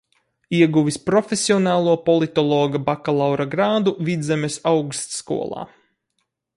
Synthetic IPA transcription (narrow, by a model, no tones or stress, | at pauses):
iɛɡuʋispɾɔfʲesiɔnaːlˠuɔpɔlˠit̪ɔlˠɔːɡabakalˠawɾaɡɾaːd̪uvid̪zɛmesawkst̪skṵɔlˠɑ̰ː